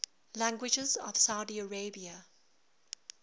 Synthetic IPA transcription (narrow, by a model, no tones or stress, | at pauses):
læ̃ŋɡwɪd͡ʒɪzɔ̰v̥saʊdiəɹeɪbiə